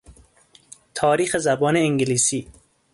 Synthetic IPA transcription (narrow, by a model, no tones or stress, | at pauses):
t̪ʰɒːɾiːxezæbɒːneeŋɡeliːsiː